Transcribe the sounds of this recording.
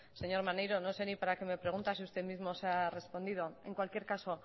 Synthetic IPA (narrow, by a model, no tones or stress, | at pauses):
se̞ɲo̞ɾmanejɾo̞no̞se̞nipaɾake̞me̞pɾe̞ɣ̞unt̪as̬iust̪emizmo̞seare̞spo̞nd̪ið̞o̞e̞ŋkwalkje̞ɾkaso̞